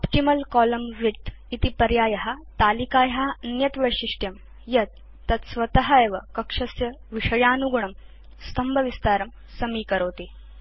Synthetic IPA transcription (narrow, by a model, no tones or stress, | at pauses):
ɔpʈimɐlkɔːlɐmʋit̪ | it̪ipɐɾjaːjɐɦat̪aːlikaːjɐɦaɐnjɐt̪ʋɐjʂiʂʈjɐm | jɐt̪̚ː | ɐt̪sʋɐt̪ɐɦɐeʋɐkɐkʂɐsjɐ | ʋiʂɐjaːnuɡɳɐm | st̪ʰɐmbʱɐʋist̪aːɾɐm | sɐmiːkɐɾoːt̪i